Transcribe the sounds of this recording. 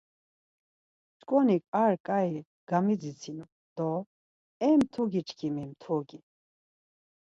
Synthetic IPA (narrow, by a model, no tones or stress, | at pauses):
t͡ʃkʼɔnikʼaɾkʼai | ɡ̥amid͡zit͡sʰinu | d̪̥ɔ | ɛmt̪ʰuɡit͡ʃʰkʰimimt̪ʰɔɡi